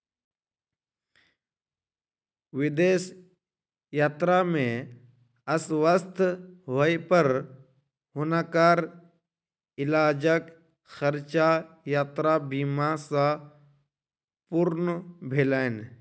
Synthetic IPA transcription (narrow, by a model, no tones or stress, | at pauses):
ʋɪd̪eːs | jaːt̪ɾamẽ | ɐsʋəst̪ʰɦoipəɾ | ɦʊnakaːɾ | ɪlaːd͡ʒək | xəɾt͡ʃa | jaːt̪ɾabiːmasã | pʊɾnbʱeːlaːen